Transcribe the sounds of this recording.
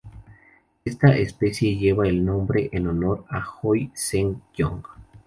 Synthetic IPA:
est̪aʔespe̞sje̞ʝe̞βaelnõ̞mbɾe̞ʔeno̞no̞ɾaxojseŋjo̰ŋɡ

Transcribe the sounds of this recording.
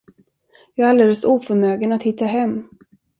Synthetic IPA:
jɑːɾald̪eːləsuːfœɾmøːɡənat̪hɪt̪ːaɦɛmː

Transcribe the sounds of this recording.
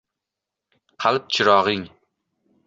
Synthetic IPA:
qʰalˠp̚t͡ʃʰɪɾɒʁɪŋ

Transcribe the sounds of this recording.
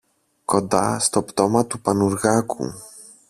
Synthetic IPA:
kond̪a̰st̪opt̪omɐt̪upɐnuɾɣakṵ

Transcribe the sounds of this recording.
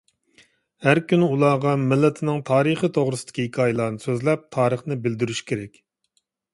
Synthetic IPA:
hæɾkʲʰynɪulˠɑːʁɑmɪlːɛt̪ʰɪnɪŋt̪ʰɑːɾɨχit̪ʰoʁɾɨsɨd̪̥ɪ̥kʲihɪkʰɑːjɪlˠɑːɾnɨsøzlɛp̚t̪ʰɑːɾəχnɪbɪld̪yɾyʃkʲʰeɾɛkʲ

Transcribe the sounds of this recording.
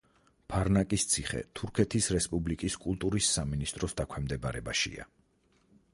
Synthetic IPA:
pʰaɾnakʼist̪sʰiχɛ̰t̪ʰuɾkʰɛt̪ʰisɾɛspʼublikʼiskʼulˠt̪ʼuɾisːaminist̪ʼɾɔsd̪akʰwɛmd̪ɛbaɾɛbaʃḭa̰

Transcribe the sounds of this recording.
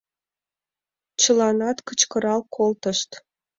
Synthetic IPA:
t͡ɕəlɑnɑt̪kət͡ɕkəɾɑlkʰolt̪əʃt̪

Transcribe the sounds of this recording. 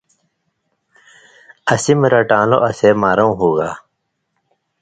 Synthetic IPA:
ɐsimɾaʈaːlo̰ʔɐsemaːɾɐ̃ũɦuːɡaː

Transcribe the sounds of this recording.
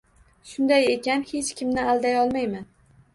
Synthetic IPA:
ʃʊnd̪ajekʲanhe̞t͡ʃkʲʰɪmnɪalˠd̪ajɒlˠmajman

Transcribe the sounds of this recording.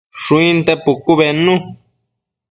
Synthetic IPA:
ʂũĩnt̪epukuβenũ

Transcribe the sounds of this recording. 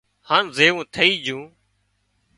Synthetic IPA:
haːnzeːʋũːt̪ʰəiːd͡ʒũː

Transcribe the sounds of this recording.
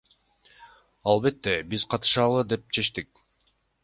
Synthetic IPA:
ɑlˠβe̞t̪ːe̞bizqʰɑt̪ɯ̥ʃɑlˠɯd̪e̞p̚t͡ʃʰe̞ʃt̪ik̚

